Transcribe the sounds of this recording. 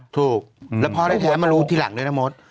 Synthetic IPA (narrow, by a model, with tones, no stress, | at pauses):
t̪ʰuː˨˩k̚lɛ˦˥pʰɔː˧ɾa˥˩t̪ʰːma˧ɾuː˦˥t̪ʰiː˥˩la̰˨˩˦ŋdu˦˥˩jtʰa˧˥mo˦˥t̪̚